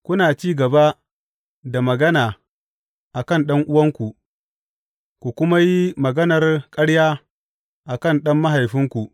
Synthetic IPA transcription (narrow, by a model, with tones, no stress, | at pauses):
kʷʊ˦naː˨t͡ʃiː˦ɡɐ˨ba˦ | da˨mɐ˨ɡɐ˦naː˨ | ʔa˨kɐ˦˨nɗɐ˦ŋʔʊ˦wɐ˦ŋkʷu˨ʔ | kʷu˨kʷʊ˦ma˦ji˦mɐ˨ɡɐ˦nɐ˨rkʼɐ˦ɽjaː˦ | ʔa˨kɐ˦˨nɗɐ˦mːɐ˦ɦa˨jɸɪ˦ŋkʷu˨ʔ